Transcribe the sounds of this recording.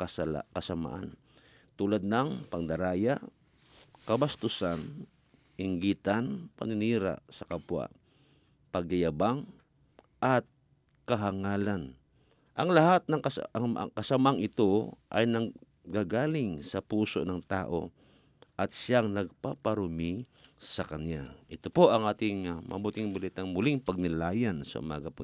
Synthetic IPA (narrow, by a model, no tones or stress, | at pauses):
kɐsala̰kɐsama̰ʔa̰n | t̪ulad̪̚nɐŋpɐŋd̪ɐɾaːjaʔ | kɐbast̪ʊsan | ʔɪŋɡiːt̪anpɐ̰nɪniːɾa̰ʔsɐkapwa̰ | pɐɡ̚ajabaŋ | ʔat̪̚ | kɐɦaŋaːlan | ʔɐŋlɐhat̪̚nɐŋkŋa̰ŋkɐsamaŋɪt̪o̞ʔa̰jnɐ | ɡaɡaːlɪŋsɐpuːso̰nɐŋt̪a̰ːʔo̞̰ | ʔɐt̪̚sɪjaŋnɐɡ̚papaɾʊmisɐkɐnjaʔɪt̪opoʔɐŋʔaːt̪ɪŋmɐ̰but̪ɪŋbɐlit̪aŋmʊlɪŋpɐɡ̚nɪlaːjansɐ̰ʔʊ̰maːɡɐp